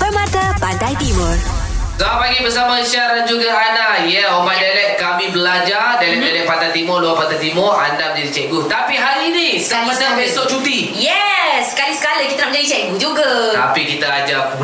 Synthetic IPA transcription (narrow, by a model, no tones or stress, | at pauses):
bəmãt̪apadajt̪imɔr | ɡapaɡibəsamãʃaɾand͡ʒuɡaandaijəomajdalɛʔkamĩbəlad͡ʒadalɛʔ̚dalɛʔ̚pat̪ajt̪imɔluapat̪at̪imɔa̰ndaməɲd͡ʒadit͡ʃɛʔ̚ɡut̪apiɦaɾiinissaməsəbesoʔt͡ʃut̪i | jɛskalisə̥kaləkit̪aamə̃d͡ʒadit͡ʃɛʔɡud͡ʒuɡat̪a̰pikit̪aad͡ʒap